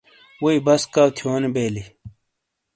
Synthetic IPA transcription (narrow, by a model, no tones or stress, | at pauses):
woibɐskaːwt̪ʰijoːnibeːli